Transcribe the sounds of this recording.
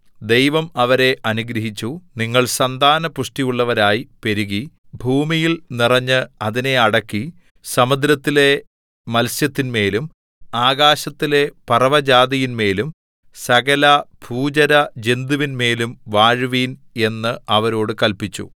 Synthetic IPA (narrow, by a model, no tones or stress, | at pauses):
d̪e̞jʋɐmɐʋɐɾe̞ʔɐnuɡɾɐɦit͡ɕːuniŋːɐɭsɐnd̪ʱaːnɐpuʂʈijuɭːɐʋɐɾaːjipe̞ɾuɣi | bʱuːmijilnirɐɲːɨɐðine̞ɐɽɐkːi | sɐmɐd̪ɾɐt̪ːile̞ | mɐlsjɐt̪ːinme̞ːlum | aːɡaːɕɐt̪ːile̞pɐrɐʋɐd͡ʑaːd̪ijinme̞ːlum | sɐɣɐlɐbʰʱuːd͡ʑɐɾɐd͡ʑe̞nd̪uʋinme̞ːlumʋaːɻʋiːne̞nːɨɐʋɐɾo̞ːɽɨkɐlpit͡ɕːṵ